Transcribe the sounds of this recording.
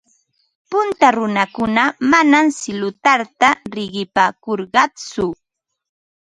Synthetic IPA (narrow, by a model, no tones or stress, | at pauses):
pʊnt̪aɾʊnakʊnamanamsɪlʊt̪aɾt̪aɾɪɢɪpaːkoɾɢɑt͡sʊ